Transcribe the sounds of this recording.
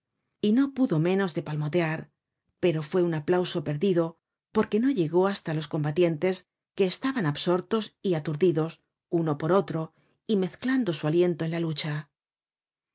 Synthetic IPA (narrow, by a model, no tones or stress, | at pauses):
ino̞puðo̞mẽ̞no̞zðe̞palmo̞t̪e̞aɾ | pe̞ɾo̞fwe̞unaplawso̞pe̞ɾðiðo̞ | po̞ɾke̞no̞ʎe̞ɣo̞ast̪alo̞sko̞mbat̪je̞nt̪e̞s | ke̞ːst̪aβanabso̞ɾt̪o̞siat̪uɾðiðo̞s | uno̞po̞ɾo̞t̪ɾo̞ | ime̞θkland̪o̞sualje̞nt̪o̞e̞nlalut͡ʃa